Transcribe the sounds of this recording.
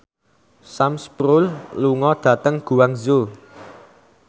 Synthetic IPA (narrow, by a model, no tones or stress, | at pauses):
samspɾulluŋɔd̪̥ä̤t̪əŋɡ̥ṳwaŋzo